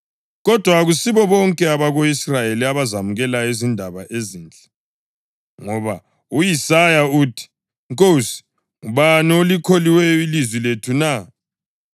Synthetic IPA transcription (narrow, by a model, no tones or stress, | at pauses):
ɣɔd̥ʱwaɣusiβɔβɔŋkʼɛaβaɣoisrajeliaβazamuɣɛlaezindʱaβaʔezint͡ɬʼɛ̥ | ŋɔβa̰ | ujisajauːtʰi̥ | ŋkʼosi̥ | ŋuβaniolikʰoliwɛilizwiletʰuna